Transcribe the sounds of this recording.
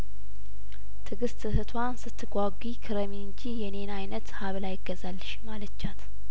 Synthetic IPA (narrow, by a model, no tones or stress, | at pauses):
t̪ʰɨɡɨst̪ɨhɨt̪ʰwansɨt̪ʰːɨɡʷaɡʷikʰɨɾəmiɨɲd͡ʒijɛne̞najnət̪haβlajɪɡːəzalːɨʃmalət͡ʃːat̪